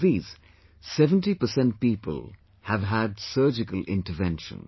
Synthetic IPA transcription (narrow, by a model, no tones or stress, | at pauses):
ðiːz̥ | sɛvə̃nʈipəsɛ̃nt̚piːpə̰l | hævɦædsɜːd͡ʒɪkəlɪ̰̃ntʈəvɛ̃nʃə̰̃n